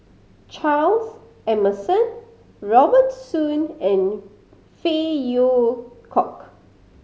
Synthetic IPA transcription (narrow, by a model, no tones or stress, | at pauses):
t͡ʃʰals | ɛməsə̃n | ɹɔbətsũnɛ̃n | fejokʰɔk